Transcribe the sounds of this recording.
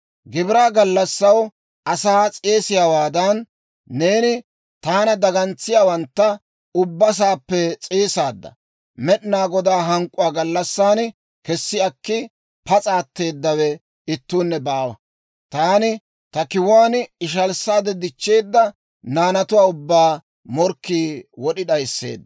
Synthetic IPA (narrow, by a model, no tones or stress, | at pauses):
ɡɪbɪɾaːɡɐlːɐsːɐw | ɐsaːt͡sʼeːsɪjaːwaːd̪ɐnː | e̞ːnɪ | t̪aːnɐd̪ɐɡɐnt͡sːɪjaːwɐnt̪ːɐ | ʊbːɐs̬aːpːɛt͡sʼeːsaːd̪ːɐ̰ | mɛɗnaːɡɔd̪aːɦɐŋkʼʊwaːɡɐlːɐsːaːn | kɛsːɪɐkːɪ | pɐt͡sʼaːt̪ːe̞ːd̪ːɐwɛ | ɪt̪ːuːnːɛbaːwɐ̰ | t̪aːnɪ | t̪ɐkɪwaːnɪʃ̬ɐlsːaːd̪ɛd̪ɪt͡ʃːeːd̪ːɐ | naːnɐt̪ʊwaːʊbːaː | mɔɾkːiːwɔɗɪɗɐjsːḛːd̪ːɐ